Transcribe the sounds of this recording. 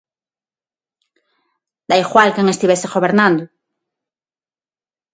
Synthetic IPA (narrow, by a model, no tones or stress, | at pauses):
d̪ajɣwalkeŋest̪iβeseɣoβeɾnãnd̪ʊ